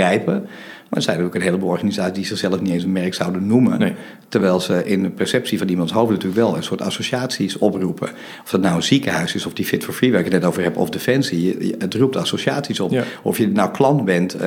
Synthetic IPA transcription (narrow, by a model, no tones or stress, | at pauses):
rɛjpə | ma̰ətsɛjntyːləkənɦeːləbolˠɔrxanizaːsisdizɪxsɛlˠəfnitẽːnsənmɛrksawdənːumən | tərʋɛjlˠzəʔɪndəpɛrsɛp̚sifɔnimɑntsɦowfnatyːləkʋɛlˠə̰nsoːəta̰soʃaːtsisɔprupʰə̰ | ɔfdɔtnawənzikəhœɥsɪsɔfdifɪtfoɹfriʋɛɪkətnɛtowvərɦɛpɔ̰fdefɛnsiəətrup̚tasoʃjaːtsisɔpɔ̰fjənawkʰlɑntbɛnt